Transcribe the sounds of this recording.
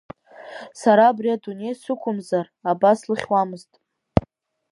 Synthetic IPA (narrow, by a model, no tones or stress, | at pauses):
saɾaːbriadune̞jsɨkʷʰʊmzarabaslɨχʲwamɨztʼ